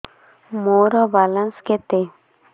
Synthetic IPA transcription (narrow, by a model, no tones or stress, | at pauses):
moɾɔbalansket̪e